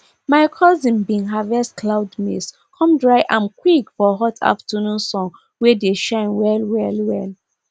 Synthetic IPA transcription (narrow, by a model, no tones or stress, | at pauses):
maɪkʰɔzĩnbĩnɦavɛstklaʊdmḭs | kʰɔ̃mdɹaɪʔãmkwikfɔɦɔtʰa̰ftʰənũnsɔ̃ŋ | wedeʃãɪ̃nwɛlwɛlwɛl